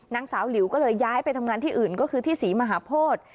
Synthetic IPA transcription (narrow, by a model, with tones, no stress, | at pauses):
na˨˦ŋsaː˩˦wli˩˦wkɔː˥˩lɤː˧jːaː˦˥jpa˧jt̪ʰa˧mŋaː˧nt̪ʰiː˥˩ʔɯː˨˩nkɔː˥˩kʰɯː˧t̪ʰiː˥˩siː˩˦maː˧ɦaː˩˦pʰoː˥˩t̪̚